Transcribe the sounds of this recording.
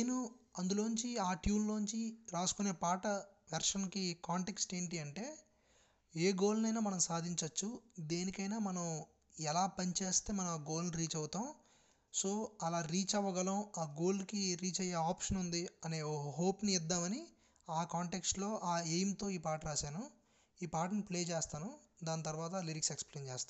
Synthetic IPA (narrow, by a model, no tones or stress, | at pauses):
enuɐnd̪ulo̞ːnuɲt͡ʃiaːʈjuːnloːnuɲt͡ʃiɾaːsu̥kune̞ːpaːʈɐ | ʋɛɾʂɐnkikaːɳʈe̞ksʈe̞ːɳʈiɐɳʈe̞ː | eːɡo̞ːlnɐjnaːmɐnɐmsaːd̪ʱiɲt͡ʃɐt͡ʃːud̪e̞ːnikɐjnaːmɐnɐm | ɛlaːpɐɲt͡ʃe̞ːst̪e̞ːmɐnɐmaːɡo̞ːlniɾiːt͡ʃɐwut̪aːm | so̞ːɐlaːɾiːt͡ʃɐʋːɐɡɐlɐːaːɡo̞ːlkiɾiːt͡ʃɐjːeːaːpʂɐnund̪iɐne̞ːoɦoːpniid̪ːaːmɐni | aːkaːɳʈeksʈlo̞ːʔaːejɐmt̪o̞ːiːpaːʈɐɾaːsaːnu | iːpaːʈ̬nipleːt͡ʃeːst̪aːnud̪aːnt̪̬ɐɾuʋaːt̪̬ɐliɾiksekspleːnt͡ʃeːst̪aː